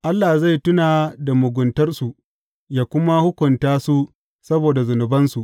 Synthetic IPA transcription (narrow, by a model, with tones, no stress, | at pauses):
ʔa˦lːa˨za˦˨jtʊ˦naː˨da˨mʊ˨ɡʷʊ˨ntɐ˦rsu˨ʔ | jaː˨kʷʊ˦ma˦hʊ˦kʷʊ˨ntaː˦su˦ | sɐ˦boː˨da˨zʊ˨nʊ˨bɐ˦nsu˨ʔ